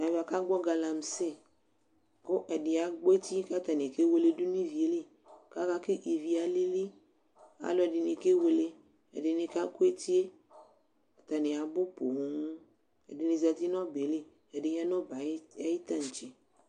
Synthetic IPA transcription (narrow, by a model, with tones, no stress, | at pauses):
na˨vi˨a˨ka˦ɡ͡bɔ˦ɡa˨la˨m̩˨se˦ | ko˦ʔe˨de˨a˨ɡ͡bɔ˦e˦t̪i˦ka˦t̪a˨nẽ˨ke˦we˦le˦du˦nĩ˦vi˨e˦le˦ | ka˦ka˦ke˦ʔi˨vi˨a˨le˦li˦ | a̰˨lɔ˨ɖe˨nẽ˨ke˦we˨le˦ | ḛ˨de˨nẽ˨ka˦ko˦e˦t̪i˦e˦ | a˨t̪a˨ne˨a˨bo˦po˨˦ŋ˦ | ḛ˨de˨nẽ˨za˨t̪i˦nɔ̃˦be˨le˦ | e˨de˨ɲ˦ã˦nɔ̃˦ba˨˦a˨ji˦t̪a˦˨ŋ̩˨t͡ʃe˨